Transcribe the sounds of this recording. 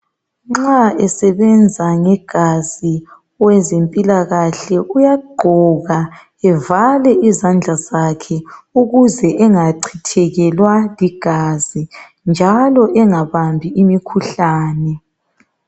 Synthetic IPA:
ŋ͡ǁaɛsɛβɛnd͡zʱaŋɛɡ̥ʱazi | wɛzempʼilaɣaɬɛʔujaɡ͡ǃʱɔɣa | ɛvalɛizand͡ɮʱazakʰɛuɣuzɛʔɛŋaǀʰitʰɛɣɛlwaliɡ̥ʱazi | nd͡ʒʱalɔʔɛŋaβambʱiimikʰuɬaːnɛ

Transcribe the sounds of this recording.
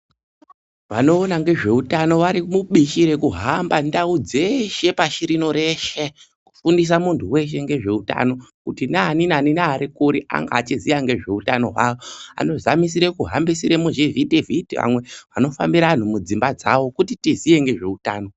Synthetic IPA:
ʋano̞ːnaŋɡe̞ʐe̞utano̞ʋaɾimuɓiʃiɾe̞kuɦambandaud͡ze̞ʃe̞paʃiɾino̞ɾe̞ʃe̞ | ku̥fundis̬amuntʰuwe̞ʃ̬e̞ŋɡe̞ʐe̞uta̰no̞kutinaninaninaːɾikuɾiʔa̰ŋɡa̰ːt͡ʃizijaŋɡe̞ʐe̞utano̞̰ɦwa̰ʋoa̰no̞zamis̬iɾekuɦambisiɾemoʒevidevitiʋa̰mwe̞ʋano̞fambiɾan̤umud͡zimbad͡za̰ʋo̞kutitizije̞ŋɡe̞ʐe̞utaːno̞

